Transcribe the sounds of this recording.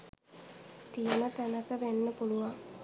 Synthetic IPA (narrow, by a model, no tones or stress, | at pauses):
t̪ijəmət̪ænəkəʋenːəpuluʋaŋ